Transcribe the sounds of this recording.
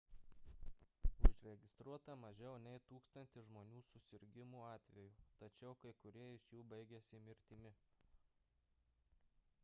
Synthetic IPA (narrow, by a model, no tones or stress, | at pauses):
ʊʒʲɾʲɛɡʲɪst̪ɾuɔt̪ɐmɐʒʲɛʊnʲɛɪt̪uːkst̪ɐnʲt̪ʲɪʒmoːnʲuːsʊsʲɪɾʲɡʲɪmuːɑːt̪ʲʋʲɛjuːt̪ɐt͡ʃʲɛʊkɐɪkʊɾʲiɛɪʃjuːbɐɪɡʲɛsʲɪmʲɪɾʲt̪ʲɪmʲɪ